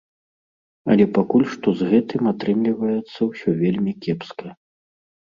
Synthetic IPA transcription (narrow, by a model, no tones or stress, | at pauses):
ɐ̰lʲɛpakulʲʂt̪ɔzɣɛt̪ɨmat̪ɾɨmlʲivɐjɛt̪sːɐwsʲɔvʲelʲmʲikʲɛpskɐ